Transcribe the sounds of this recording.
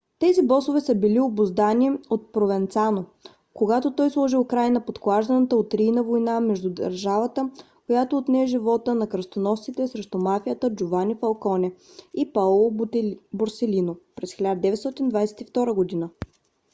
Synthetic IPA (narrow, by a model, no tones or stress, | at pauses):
t̪ɛzibɔsovɛsəbiliobozd̪aniot̪̚pɾovɛnt̪sano | koɡat̪ot̪ɔjslˠɔʒiʊkɾajnəpot̪klˠaʒd̪ənət̪əot̪ɾinəvojnamɛʒd̪ud̪ə̰ɾʒavət̪ə | kojat̪oːt̪nɛːʒivɔt̪ənɐkɾəst̪onɔfssit̪ɛsɾɛʃt̪omafijət̪əd͡ʒovanifɐlˠkɔnɛ | ipalˠoboɾsɛlinopɾɛsxilʲad̪əd̪ɛvɛt̪st̪ɔt̪ind̪vajsɛ̥t̪ift̪ɔɾəɡod̪inə